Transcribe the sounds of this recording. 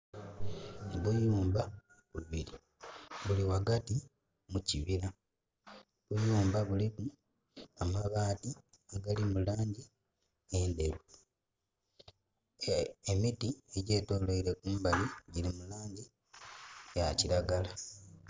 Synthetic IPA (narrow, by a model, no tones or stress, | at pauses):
βujuːmba | βuβili | βuliwaɡati | muciβila | βujuːmbaβuliku | amaβaːti | eɡalimulaːɲɟi | endeβu | emitie̞ɟe̞ːto̞ːloiɾe̞kuːmbaliɟilimulaːɲɟi | jaciɾaɡala